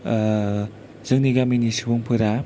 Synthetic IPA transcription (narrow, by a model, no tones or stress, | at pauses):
z̥ɯŋniɡaminisibuŋpʰɯɾa